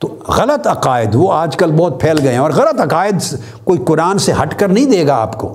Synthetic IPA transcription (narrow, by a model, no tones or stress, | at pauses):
t̪oːɣɐlət̪ɐqaːɪd̪ʋoaːd͡ʒkɐlbɔːt̪̚pʰeːlɡɐeɦɛ̃ɔːɾɣɐlət̪ɐqaːɪd̪s | koːiqʊɾaːnseɦɐʈkəɾnɐɦĩd̪eːɡaa̰ːpko̰ː